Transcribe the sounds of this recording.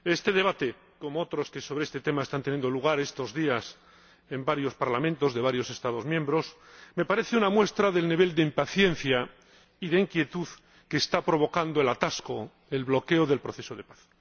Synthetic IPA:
e̞st̪e̞ð̞e̞β̞at̪e̞ | ko̞moot̪ɾo̞ske̞soβeest̪e̞t̪e̞maest̪ant̪enjend̪oluɣ̞aɾe̞st̪o̞zðias | e̞mbaɾjo̞spaɾlamẽnt̪o̞zðe̞β̞aɾjo̞se̞st̪að̞o̞zmjẽ̞mbɾo̞s | me̞paɾe̞θeunamwe̞st̪ɾaðe̞lniβ̞e̞ld̪eimpaθje̞n̟θja | iðe̞iŋkje̞t̪uð | ke̞ːst̪apɾo̞β̞o̞kand̪oe̞lat̪asko̞ | e̞lβlo̞ke̞oðe̞lpɾo̞θe̞so̞ð̞e̞paθ

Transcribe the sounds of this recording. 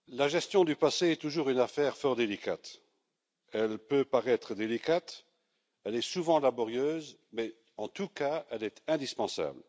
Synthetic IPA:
laʒɛst̪jɔ̃d̪ypaseɛt̪uʒuːʁynafɛːʁfɔʁd̪elika̰t̪ | ɛlpøpaʁɛt̪χəd̪elikat̪ | ɛlɛsuvɑ̃labɔʁjøːz | mɛ | ɑ̃t̪ukaɛlɛt̪ɛ̃d̪ispɑ̃sa̰bl

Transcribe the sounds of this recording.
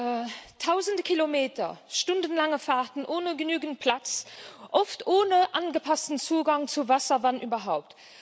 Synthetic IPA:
tʰaʊzəndəkʰilomeːtʰɐ̰ʃtundənlaŋəfaːʁtənʔoːnəɡənyːɡənt̚pʰlat͡sʔoftoːnəʔaːnɡəpʰɑstənt͡suːɡɑŋt͡suvasɐvanʔyːbɐɦaʊp̚t

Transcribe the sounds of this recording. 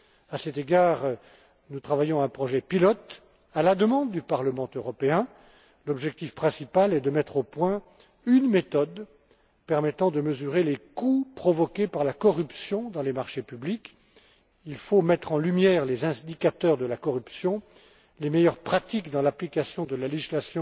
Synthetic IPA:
asɛt̪eɡaːʁ | nut̪χavajɔ̃aɛ̃pχɔʒɛpilɔt̪ | alad̪əmɑ̃d̪ːypaʁləmɑ̃øʁɔpeɛ̃ | lɔbʒɛk̚t̪ifpχɛ̃sipalɛd̪əmɛt̪χopwɛ̃ | ynmet̪ɔd̪ | pɛʁmɛt̪ɑ̃d̪əməzyʁelekupχɔvɔkʲepaʁlakɔʁypsjɔ̃d̪ɑ̃lemaʁʃepyblik | ilfomɛt̪χɑ̃lymjɛʁlezɛ̃d̪ikʲat̪œʁd̪əlakɔʁypsjɔ̃ | lemejœʁpχat̪ikd̪ɑ̃laplikasjɔ̃d̪əlaleʒislasjɔ̃

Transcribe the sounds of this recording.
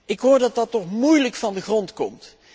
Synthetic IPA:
ʔɪkɦoːɹdɑt̚dɑtɔχmujləkfɑndəχrɔntkɔmt

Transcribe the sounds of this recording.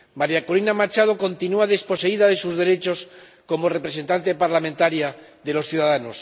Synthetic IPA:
maɾjakolinamat͡ʃað̞o̞ko̞nt̪inuaðe̞spo̞se̞iðaðe̞suzðe̞ɾe̞t͡ʃo̞s | ko̞mo̞re̞pɾe̞se̞nt̪ant̪e̞paɾlamẽ̞nt̪aɾjaðe̞lo̞sθjuðaðanos

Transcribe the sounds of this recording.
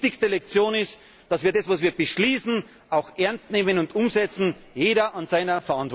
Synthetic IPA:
tɪçstəlɛk̚t͡sjoːnɪst | d̥asv̥iːɐdɛsv̥asviːɐb̥əʃliːsn̩ | ʔaʊxʔɛɐnstneːmənʊndʔʊmzɛt͡sn̩ | jeːɾɐʔanzaɪnɐfɛɐãntv̥ɔ

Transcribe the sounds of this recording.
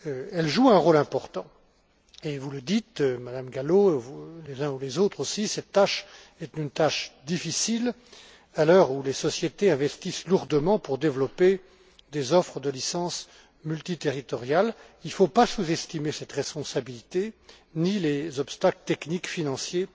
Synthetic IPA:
ɛlʒuɛ̃ʁolɛ̃pɔʁt̪ɑ̃ | evuləd̪it̪ømad̪amɡalovulezɛ̃ulezot̪χosisɛt̪ːaʃɛt̪ynt̪aʃd̪ifisil | alœʁulesɔsjet̪eɛ̃vɛst̪isluʁd̪əmɑ̃puʁd̪evlɔpe | d̪ezɔfχəd̪əlisɑ̃s | mylt̪it̪eʁit̪ɔʁjal | ilfopasuzɛst̪imesɛt̪ʁɛspɔ̃sabilit̪enilezɔpst̪aklət̪ɛknikfinɑ̃sje

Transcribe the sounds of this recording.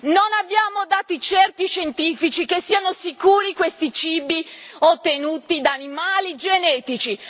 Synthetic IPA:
nonabjaːmod̪aːt̪it͡ʃɛrt̪iʃent̪iːfit͡ʃikesːiːanosikuːɾikwest̪it͡ʃiːbiot̪ːenuːt̪id̪aːnimaːlid͡ʒenɛːt̪it͡ʃi

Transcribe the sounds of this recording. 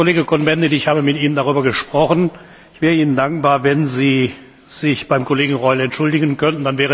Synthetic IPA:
koleːɡəkʰɔnbɛndedɪçhaːbəmɪtiːnəndaʁyːbɐɡəʃpʁ̥ɔχən | ɪçv̥ɛːʁəiːnəndaŋkb̥aːɐvɛnziː | z̥ɪçb̥aɪmkoleːɡŋ̩ʁɔʏlɛntʃʊldɪɡənkʰœntn̩d̥anvɛːʁə

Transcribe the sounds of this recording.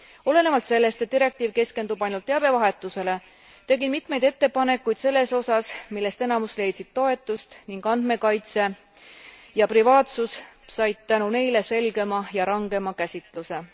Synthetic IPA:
o̞le̞nevɑlt̪se̞lːe̞st̪e̞t̪̚d̪iɾe̞k̚t̪iːvke̞ske̞nd̪ub̥ɑjnult̪ːˑeɑb̥e̞vɑɦe̞t̪ːˑuse̞le̞ | t̪e̞ɡimit̪me̞jd̪e̞t̪ːe̞pɑne̞kːˑujd̪̥se̞lːe̞so̞sɑsmilːe̞st̪e̞nɑmusle̞jd̪sit̪̚t̪o̞e̞t̪ːˑust̪niŋɡ̥ɑnd̪̥me̞kɑjt̪se̞ | jɑprivɑːt̪sussɑjd̪̥̚t̪ænune̞jle̞se̞lɡ̥e̞mɑjɑɾɑŋɡ̥e̞mɑkæsʲit̪ˑluse̞

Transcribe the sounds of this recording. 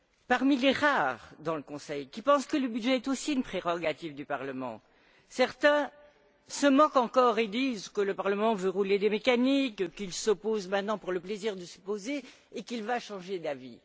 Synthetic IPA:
paʁmileʁaːʁd̪ɑ̃ləkɔ̃sɛjkʲipɑ̃skələbydʒɛːt̪osiynpχeʁɔɡat̪ivd̪ypaʁləmɑ̰̃ | sɛʁt̪ɛ̃ | səmɑ̃kɑ̃kɔʁed̪izkələpaʁləmɑ̃vøʁuled̪emekanikkilsopozmɛ̃t̪̚nɑ̃puʁləpleziʁd̪əsə̥pozeː | kilvaʃɑ̃ʒed̪avḭ

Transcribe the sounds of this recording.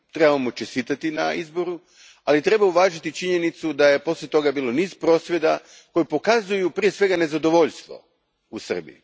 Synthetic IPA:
t̪ɾe̞bavamot͡ʃest̪iːt̪at̪ina̰izboɾu | alit̪ɾe̞bauʋaːʒit̪it͡ʃiɲe̞nit̪sud̪aje̞po̞slʎʲet̪o̞ɡabiːloniːz̥pɾo̞ːsʋʲje̞d̪a | ko̞jipo̞kazujupɾije̞sʋe̞ɡane̞zad̪o̞ʋo̞ʎst̪ʋo̞̰ | usr̩bḭ

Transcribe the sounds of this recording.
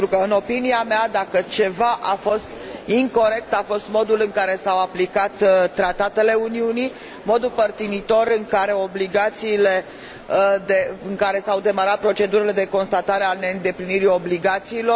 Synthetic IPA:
et̪ɾukəɨno̞piniamead̪akət͡ʃe̞vaʔafo̞st̪iŋko̞ɾe̞k̚t̪afo̞st̪mo̞d̪ulɨŋkaɾe̞sawaplikat̪t̪ːɾat̪at̪e̞le̞uniuni | mo̞d̪upərt̪init̪o̞ɾɨŋkaɾe̞o̞bliɡat̪siːle̞ | d̪e̞ɨŋkaɾe̞sawd̪e̞maɾat̪̚pɾo̞t͡ʃe̞d̪uɾele̞d̪e̞ko̞nst̪at̪aɾeane̞ɨnd̪e̞pliniɾio̞bliɡat̪siːlo̞

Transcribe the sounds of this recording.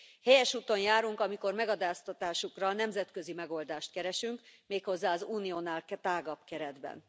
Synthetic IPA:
hɛjɛʃuːt̪o̞njaːɾuŋkɒmiko̞rmɛɡɒd̪aːst̪ɒt̪aːʃukrɒnɛmzɛt̪kø̞zimɛɡo̞ld̪aːʃt̪kɛɾɛʃyŋkmeːkho̞zːaːɒzuːnijonaːlkɛt̪aːɡɒpkɛɾɛd̪bɛ̰n

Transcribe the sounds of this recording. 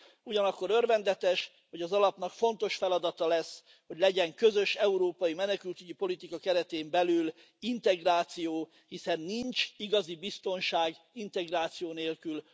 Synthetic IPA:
uɟɒnɒkːo̞ɾørvɛnd̪ɛt̪ɛʃ | hoɟɒzɒlɒpn̪ɒkfo̞nt̪o̞ʃfɛlɒd̪ɒt̪ɒlɛsː | ho̞ɟlɛɟɛŋkø̞zø̞ʃɛuɾoːpɒjimɛnɛkylt̪yɟipo̞lit̪ikɒkɛɾɛt̪eːmbɛlyl | int̪ɛɡraːt̪sijoː | hisɛnːiɲt͡ʃiɡɒzibist̪o̞nʃaːɡ | int̪ɛɡraːt̪sijoːneːlkyl

